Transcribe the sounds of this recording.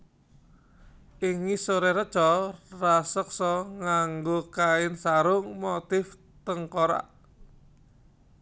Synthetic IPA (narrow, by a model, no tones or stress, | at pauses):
ʔiŋisoɾɛɾə̥t͡ʃɔrasək̚sɔŋaŋɡokaɪnsaɾʊŋmot̪ɪf | t̪əŋkɔɾa̰ʔ